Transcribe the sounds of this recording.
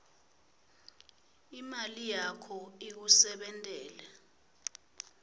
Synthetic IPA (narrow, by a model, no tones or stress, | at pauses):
imalijakʰɔik̬usɛɓɛntʼɛːlɛ